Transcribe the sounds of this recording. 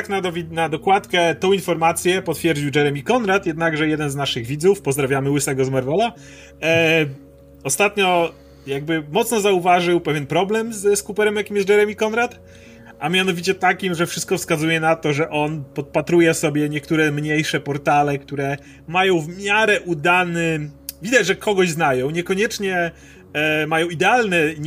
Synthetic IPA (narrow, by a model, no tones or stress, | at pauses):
knad̪ɔvʲnad̪ɔkwat̪kɛt̪ɔ̃w̃infɔɾmat̪sʲjɛpɔt̪fʲjɛɾd͡ʑiwd͡ʒɛɾɛmʲikɔnɾat̪jɛd̪naɡʐɛjɛd̪ɛnznaʂɘɣvʲid̪zufpɔzd̪ɾavʲjamɘwɘsɛɡɔzmaɾvɔla | ɔst̪at̪ɲɔ | jaɡ̚bɘmɔt̪snɔzauvaʐɨwpɛvʲjɛnpɾɔblɛmzɛskupɛɾɛmjakʲimjɛs̚d͡ʒɛɾɛmʲikɔnɾat̪ | ʔamʲjanɔvʲit͡ɕɛt̪akʲimʐɛfʂɘst̪̚kɔfskazujɛnat̪ɔʐɛʔɔnpɔt̪̚pat̪ɾujɛsɔbʲjɛɲɛkt̪uɾɛmɲejʂɛpɔɾt̪alɛkt̪uɾɛ | majɔ̃w̃vmʲjaɾɛʔud̪anɛvʲid̪at͡ɕʐɛkʰɔɡɔʑznajɔ̃w̃ɲɛkɔɲɛt͡ʂɲɛ | majɔ̃w̃id̪ɛalnɛ